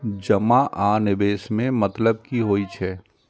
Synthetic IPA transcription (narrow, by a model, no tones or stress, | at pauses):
d͡ʒɐmaʔaːnɪbeːʃmẽmɐt̪ləb̚kiɦoːit͡ʃʰɛː